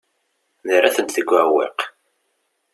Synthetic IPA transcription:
nəɾːaθənt̪θəɡʷːæwḛq

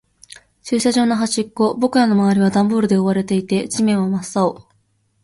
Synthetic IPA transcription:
ɕɨːɕaʑo̞ːnoɦaɕikːo̞bo̞kɯ̟ɾano̞maβaɾʲiβ̞ad̪ãmboːɾɯ̟d̪e̞oβaɾe̞t̪e̞it̪e̞t͡ɕimẽ̞ɰ̃βamasːao

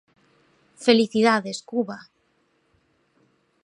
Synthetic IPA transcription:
feliθiðaðeskuβa

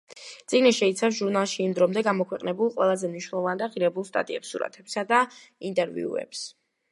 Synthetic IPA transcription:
t̪sʼiɡniʃɛit̪sʰafs̬ʒuɾnalˠʃiːmd̪ɾɔmd̪ɛɡamɔkʰwɛqʼnɛbulˠqʼwɛlˠazɛmniʃwnɛlˠɔvand̪aʁiɾɛbulˠst̪ʼa̰t̪ʼḭɛpsːṵɾa̰t̪ʰɛpsad̪a | int̪ʼɛɾvḭṵɛ̰ps

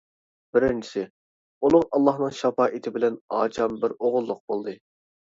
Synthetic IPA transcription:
b̥ɪɾɪnt͡ʃʰi̥sɪ | ulˠʊqɑlˠːɑhnɨŋʃɑpɑːʔit̪ʰɪbɪlɛnɑ̰ːt͡ʃʰɑmbɪɾoʁʊlˠːʊq̚bolˠd̪ɨ

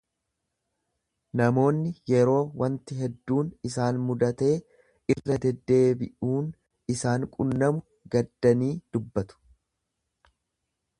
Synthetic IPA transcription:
nɐmo̞ːnːɪjɛɾo̞ːwɐnt̪ɪɦɛd̪ːuːnɪsaːnmʊd̪ɐt̪e̞ː | ɪrːɐd̪ɛd̪ːe̞ːbɪʔuːn | ɪsaːŋkʼʊnːɐmʊ | ɡɐd̪ːɐniːd̪̥ʊbːɐt̪ʊ̥

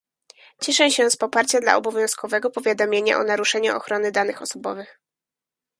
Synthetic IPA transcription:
t͡ɕɛʂɛ̃ɕɛspɔpaɾt͡ɕad̪la̰ɔbɔvʲjɔ̃w̃skɔvɛɡɔpɔvʲjad̪ɔmʲjeɲa̰ʔɔnaɾuʂɛɲuʔɔ̰xɾɔnɘd̪an̪ɘxɔsɔbɔvɘx

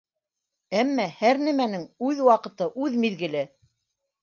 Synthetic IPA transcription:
æmːæhæɾnæmænɘŋʉðwɑqɤ̆t̪ɤʔʉðmiðɡɘ̆lɘ

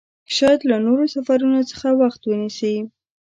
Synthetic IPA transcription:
ʃɑjat̪lanoɾosafaɾunot͡sə̥xawaxt̪wənisi

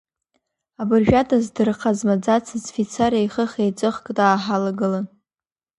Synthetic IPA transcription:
abɨrʒᶣatʼazdɨrqʰazmad͡zat͡sʰɨzfit͡sʰaɾajχəχejt͡sʼɨχkʼtʼaːħalaɡɨlan

